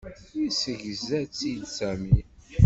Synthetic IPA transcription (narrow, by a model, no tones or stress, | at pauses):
isəʝəzæt͡sːijt͡sːæmi